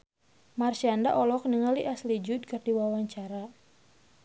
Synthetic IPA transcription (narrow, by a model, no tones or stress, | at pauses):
marsiandaʔɔlɔk̚niŋaliʔaslid͡ʒʊd̚kɨrdiwawaɲt͡ʃaɾa